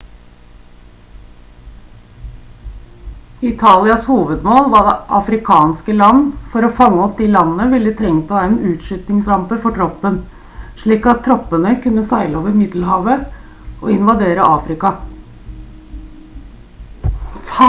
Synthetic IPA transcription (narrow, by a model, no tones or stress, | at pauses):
ɪt̪ʰɑːlɪɑshuːʋəd̪moːlʋɑd̪ɛʔɑfɾɪkʰɑːnskəlɑnːfɔɾoːfɑŋːəɔp̚d̪iːlɑnənəʋɪlːət̪ʰɾɛŋp̪ʰɑɛnʉːt̪ʂʏt̪nɪŋsɾɑmpəɾfɔʈʰɾɔpːən | ʂɭiːkɑt̪ʰːɾɔpːənəkʉnːəsæɪləoːʋəɾmɪd̪l̩hɑːʋə | ʔɔɪnʋɑd̪eːɾəʔɑːfɾɪkɑ